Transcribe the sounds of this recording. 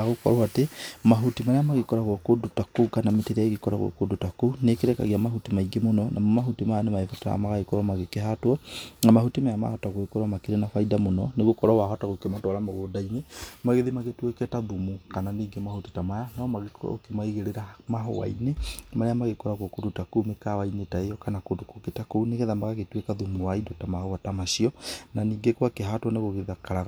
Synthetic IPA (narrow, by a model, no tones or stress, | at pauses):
ɣokɔ̰ɾɔwatemaɦutimaɾeamaɣekɔɾaɣɔkodutakokanameteɾaeɣekɔɾa̰ɣwɔ̰kodotakonekeɾɛka̰ɣiamaɦutimaiɡemonɔnʔa̰mɔmaɦutimajanemaefɔta̰ja̰maɣaekɔɾwɔmaɣekeɦatwɔnamahutimajama̰hɔtaɣoekɔɾwamakeɾenafaidamonɔneɣokɔɾɔwaɦɔtaɣokematɔɾamaɣodainemaɣeðimaɣetwekɛtaðumukananiːŋɡemahoti̥tamajanɔmaɣekkemaiɣeɾeɾamaɦɔ̰wa̰inemaɾeamaɣekɔɾakokotutakumekawainetaejɔkanakotokoketakouneɣeðamaɣaɣetwekaðumuwaidɔtamahɔwatamaʃiɔnaniːŋɡekwakeɦatwɔneɣoɣeðakaɾaɣ